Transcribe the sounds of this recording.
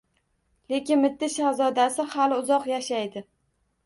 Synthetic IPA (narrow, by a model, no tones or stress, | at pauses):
le̞kʲɪnmɪt̪ːɪʃazɒd̪asɪhalɪʊzɒqjaʃajd̪ɪ